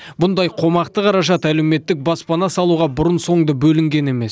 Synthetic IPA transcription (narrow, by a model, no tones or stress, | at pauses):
bʊnd̪ɑjqʰo̞mɑqt̪əqʰɑɾɑʒɑt̪æle̞wme̞t̪ːɪk̚bɑspɑnɑsɑlˠuʁɑbʊɾənso̞ɴd̪əbɵlɪŋɡʲe̞ne̞me̞s